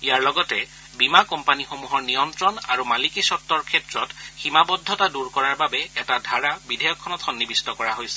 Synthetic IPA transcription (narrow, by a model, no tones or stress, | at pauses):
ijaɹlɔɡɔtɛ | bimakɔmpanixomuɦɔɹnijɔntɹɔna̰ɹumalikisɔtːɔɹkʰɛtɹɔtximabɔdʱːɔtaduɹkɔɹaɹbabɛɛtadʱaɹabidʱɛjɔkʰːɔnɔtxɔnːibistɔkɔɹaɦojsɛ̥